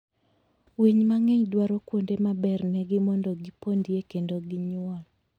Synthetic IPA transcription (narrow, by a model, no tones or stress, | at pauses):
wiɲmaŋeɲdwaɾɔkwondemabɛrnɛɡɪmɔndɔɡipondiekendoɡiɲʊɔl